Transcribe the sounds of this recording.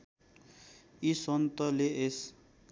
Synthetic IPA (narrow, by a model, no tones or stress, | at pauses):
isʌnt̪ʌleʔes